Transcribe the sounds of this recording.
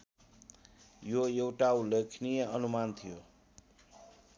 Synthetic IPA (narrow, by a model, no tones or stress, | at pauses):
joewʈaulekʰnijʌʌnumant̪ʰijo